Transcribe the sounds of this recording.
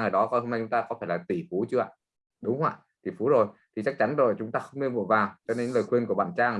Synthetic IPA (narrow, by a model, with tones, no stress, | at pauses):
ŋəː˧˩ɗɔ˨˦kɔ˧jɦo˧mna˧jt͡ɕʊ˨˦ŋ͡mt̪aː˧kɔ˨˦faː˧˩jlaː˨˩t̪i˧˩fu˨˦t͡ɕɨ˧a̰ː˧˨ | ɗʊ˨˦ŋ͡mhwa̰ː˧˨ | t̪i˧˩fu˨˦zo˨˩jt̪ʰi˨˩t͡ɕa˦˥k̚t͡ɕa˨˦nzo˨˩jt͡ɕʊ˨˦ŋ͡mt̪aː˧xə˧wŋ͡mɗɨ˧vo̰˧˨jvaː˨˩wt͡ɕɔ˧ne˧˦nnləː˨˩jxwi˧nku˧˩əɓa̰ː˧˨nt͡ɕaː˧ŋ